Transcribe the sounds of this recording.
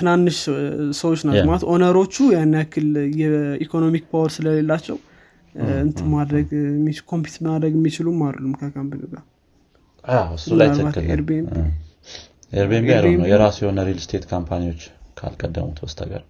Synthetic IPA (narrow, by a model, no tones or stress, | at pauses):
t̪ʰɨnanːɨʃsəwot͡ʃːnamalat̪ʔo̞nəɾo̞t͡ʃːujanːjakʰːɨljɛikʰo̞no̞mikbawɾsɨləle̞lːat͡ʃːɛw | ɨnt̪ʰɨmad̪ɾəɡmːit͡ʃkʰo̞mpi̥t̪əmad̪ɾəɡɨmːit͡ʃɪlumːallumkʰəkʰampiluɡa | aɨsulajaltʰəβat̪ːɨeɾbembi | eɾbiembijalənəwjɛɾasjɛhonəɾilst̪ʰet̪kʰampʰaniwo̞t͡ʃːkʰa̰lkʼəd̪ːə̰mut̪ʰwɔst̪ʰa̰ɡə̰ɾ